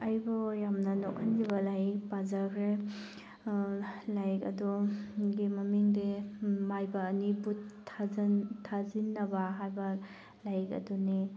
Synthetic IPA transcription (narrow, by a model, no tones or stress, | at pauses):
ɐjbɔjamnɐnɔk̚anɡibɐlajk̚pazakʰɾe | lajkɐ̰dɔɡimɐmiŋdemajbɐːnibutʰːaztʰazinːɐbɐɦajbɐ | lajkɐ̰duni